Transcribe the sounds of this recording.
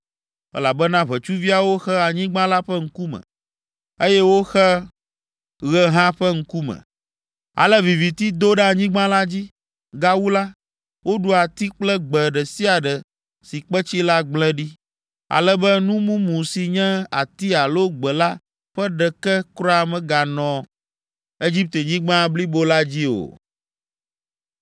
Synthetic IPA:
ɛ̰˦la˨bɛ˦nã˦βɛ˨t͡ʃu˦vi˦a˨wo˦xɛ˦a˨ɲĩ˦ɡ͡bã˦la˦ɸɛ˦ŋ̩˦ku˦mɛ̰̃˨ | e˦jɛ˦wo˦xɛ˦ | ɣɛ˦ɦã˦ɸɛ˦ŋ̩˦ku˦mɛ̰˨ | a̰˨lɛ˦vi˨vi˨t̪i˦d̪o˦ɖɛ˦a˨ɲĩ˦ɡ͡bã˦la˦d͡ʑi˦ | ɡa˦wu˦la˦ | wo˦ɖu˨a˨t̪i˦k͡plɛ˦ɡ͡bɛ˨ɖɛ˨si˦a˨ɖɛ˨ | si˨k͡pɛ˦t͡ɕi˦la˦ɡ͡blɛ̃˦ɖi˦ | a̰˨lɛ˦bɛ˦nũ˦mũ˦mũ˨si˨ɲɛ̃˦a˨t̪i˦a˨lo˦ɡ͡bɛ˨la˦ | ɸɛ˦ɖɛ˨kɛ˦kɾɔ˦a˨mɛ̃˨ɡa˨nɔ̃˨ | e˦d͡ʑi˦p̚t̪e˨ɲĩ˦ɡ͡bã˦bli˦bo˦la˦d͡ʑi˦o̰˨

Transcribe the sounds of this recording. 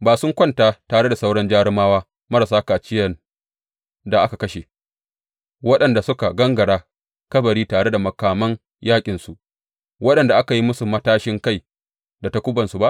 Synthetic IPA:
baː˨sʊ˦ŋkʷɐ˦ntaː˦taː˨ɽe˦da˨sa˦wɽɐ˦nd͡ʒaː˦ɽɪ˦maː˦waː˦ | mɐ˦ɾa˨s̬aː˦kaː˨t͡ʃɪ˦jɐ˨n | da˨ʔa˦ka˨kɐ˦ʃe˨ | wɐ˦ɗɐ˨nda˨sʊ˦ka˨ɡɐ˦ŋɡɐ˨ɽaː˦ | kɐ˦bɐ˨ɽiː˦taː˨ɽe˦da˨mɐ˨kaː˨mɐ˦ŋ | jaː˦kʲʼɪ˨nsu˨ʔ | wɐ˦ɗɐ˨nda˨ʔa˦ka˨ji˦mʊ˦su˨mɐ˦taː˦ʃɪ˦ŋka˦j | da˨ta˦kʷʊ˦bɐ˨nsu˨ba˦ʔ

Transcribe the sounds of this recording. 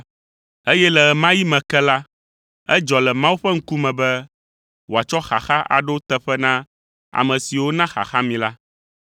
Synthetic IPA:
e˦jɛ˦lɛ˨ɛ˨mã˦ji˦mɛ̃˨kɛ˦la˦ | ɛ˦d͡ʒɔ˨lɛ˨mã˦wu˦ɸɛ˦ŋ̩˦ku˦mɛ̃˨bɛ˦ | wo˨a˨t͡ʃɔ˦xa̰˨xa˦ʔa̰˨ɖo˦t̪ɛ˦ɸɛ˦nã˦ | a̰˨mɛ̃˨si˨wo˦nã˦xa̰˨xa˦mĩ˨la˦

